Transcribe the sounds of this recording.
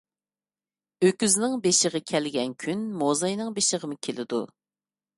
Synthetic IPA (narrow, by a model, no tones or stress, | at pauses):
økʲyznɪŋbeʃəʁəkʲʰɛlɡʲɛnkʲʰynmozɑjnɨŋbeʃəʁəmɨkʲʰelɪd̪u